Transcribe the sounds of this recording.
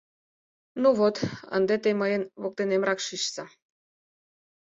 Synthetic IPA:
nuβot̪ə̰nd̪et̪eməjənβok̚t̪enemrɑkʃiʃsə

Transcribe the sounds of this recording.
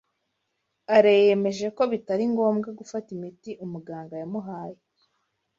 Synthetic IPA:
aɾejeme̞ʒe̞ko̞βitaɾiŋɡo̞ːmɡaɡufatimitiʔumuɡaːŋɡajamuɦaːje

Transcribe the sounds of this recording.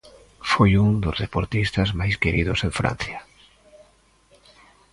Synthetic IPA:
fojuŋd̪ozðepoɾt̪ist̪ɐzmajskeɾiðʊseɱfɾa̰n̟θja

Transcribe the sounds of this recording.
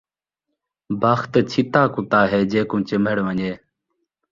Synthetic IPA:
bʱaxt̪t͡ʃʰit̪aːkʊt̪aːɦeːd͡ʒeːkũːt͡ʃəməɽoːəɲeː

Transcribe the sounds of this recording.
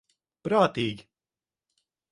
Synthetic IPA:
pɾaːt̪iːɡʲi

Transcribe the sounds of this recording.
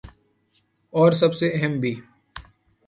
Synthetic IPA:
ɔːɾsɐbseɐɦɛmbʱiː

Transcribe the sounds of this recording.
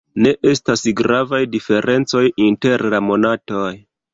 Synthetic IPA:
ne̞ʔe̞stasɡɾavajdife̞ɾʔe̞nt͡so̞jinte̞ɾlamo̞nato̞j

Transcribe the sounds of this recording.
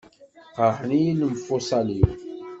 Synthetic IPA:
qəħənijinəmfusˤɑliw

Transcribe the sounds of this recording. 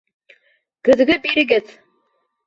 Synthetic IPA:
kɘ̆ð̆ɡɘbiɾɘ̆ɡɘð

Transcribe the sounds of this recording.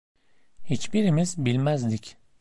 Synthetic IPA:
hit͡ʃbiɾimizbilʲmæzd̪ic

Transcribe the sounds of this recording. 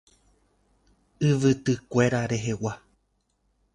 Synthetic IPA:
ɨʋɨt̪ɨkʷe̞ɾaɾe̞ɦe̞wa

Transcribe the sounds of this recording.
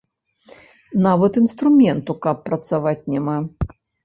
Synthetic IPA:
navɐt̪inst̪ɾumʲɛnt̪ukɐpːɾɐt̪savat͡sʲnʲɛma

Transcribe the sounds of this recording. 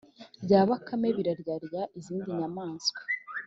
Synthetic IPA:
ɾɟaːβakame̞βiɾaɾɟaɾjaʔiziːndiɲamaːnsɡwḁ

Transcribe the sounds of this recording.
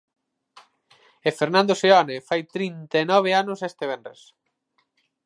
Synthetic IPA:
efeɾnãnd̪oseɔnefajt̪ɾint̪anɔβ̞eanʊsest̪eβ̞endɾḛs

